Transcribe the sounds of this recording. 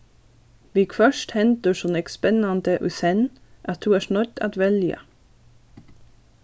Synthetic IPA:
ʋɪkfœʃthɛnt̪əʃɔnɛkspɛnɑnd̪əʔʉsɛn | ʔɑt̪̚dʉːæːʃnɔt̪ɑ̰t̪ʋɛljə̰

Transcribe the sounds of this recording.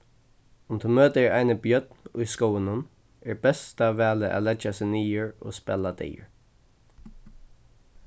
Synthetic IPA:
ʊnt̪ʰəmøːd̪eɹajnəbjœd̪nʊjskowənʊn | ɛɹbɛsd̪avɛːləʔa̰lɛd͡ʒasɪniːəɹo̰spɛ̰lad̪ḛːɹ

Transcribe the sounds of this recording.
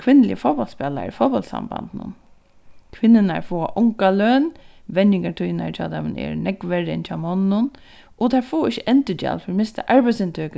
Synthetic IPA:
kʰʋɪnːlɪ̰ə̰fɔwpɔlt̪spɛːla̰ɾifɔpɔlt̪sa̰mba̰nd̪nʊ̰n | kʰʋɪnːɪna̰ɹfoːa̰ʔʊŋkaløːnʋɛnjɪŋkat̪ʰʊjna̰t͡ʃʰa̰ːt̪ʰamɪnɛ̰ɾnɛkʋɛɾɪɪ̰nt͡ʃʰaːmɔnɪnʊn | ɔt̪ʰafoːɪʃːɪʔɛnt̪ɪta̰lfɪɾmɪst̪a̰ʔaɹpæsɪnt̪ʰøːk

